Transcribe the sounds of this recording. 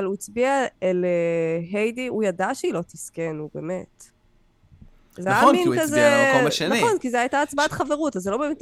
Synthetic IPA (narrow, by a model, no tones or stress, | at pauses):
aluit͡sbiaeleɦejdiujadaʃeilo̞tiskenube̞̰ːmet | zeajaminkazeʃenaiχo̞nkizeajtaːt͡sbaatχaveʁutazelo̞beːmet